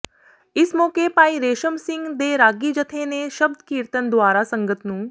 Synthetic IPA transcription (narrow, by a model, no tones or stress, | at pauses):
ɪsmɔːkepaːiɾeːʃəmsɪ̃ŋɡd̪eɾaːɡid͡ʒət̪ʰeneʃɐb̚d̪kiːɾt̪ənd̪waːɾasɐ̃ŋɡət̪nũː